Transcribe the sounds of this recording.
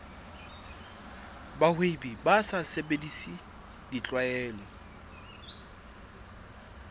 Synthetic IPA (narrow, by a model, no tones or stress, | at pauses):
bahwebibasasebedisi | dit͡ɬʼwaɛːlɔ